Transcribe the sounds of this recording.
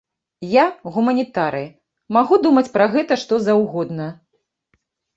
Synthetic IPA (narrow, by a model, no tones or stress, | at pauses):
jaɣumɐnʲit̪aɾɨ | maɣud̪umɐt͡sʲpɾɐɣɛt̪ɐʂt̪ɔzawɣɔd̪nɐ